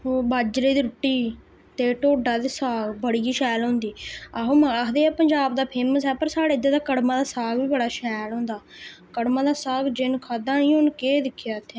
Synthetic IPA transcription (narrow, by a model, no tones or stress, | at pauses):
oːbaːd͡ʒɾeːd̪iːɾʊʈːiː | t̪eːʈoːɖaːd̪eːsaːɡbəɽijiːʃɛːlɦõːnd̪iːaɦoːməɾaːɦd̪eːɛːpəɲd͡ʒaːbd̪aːpʰeːməs̬ɦɛːpəɾsaːɽeːɪd̪eːd̪aːkəɽmãːd̪aːsaːɡʋiːbəɽaːʃɛːlɦõːnd̪aː | kəɽmãːd̪aːsaːɡd͡ʒɪnkʰaːd̪ãːnĩːɦʊnkeːd̪ɪkʰːjaːt̪ʰːeː